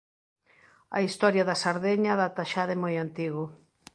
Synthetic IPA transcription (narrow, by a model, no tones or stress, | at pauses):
ɐ̰ist̪ɔɾjɐðɐsaɾðeɲɐðat̪aʃaðemojant̪iɣʊ